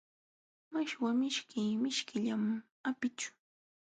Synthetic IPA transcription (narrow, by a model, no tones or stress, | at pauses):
maʃwamɪʃkɪːmɪʃkɪʎam | apɪt͡ʃʊ̥